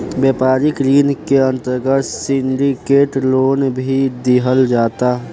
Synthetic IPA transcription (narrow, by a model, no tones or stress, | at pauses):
beːpaːɾɪkɾiːnkeə̃nt̪əɾɡət̪sɪ̃ɳɖikeːʈloːnbʱid̪iɦəld͡ʒaːt̪a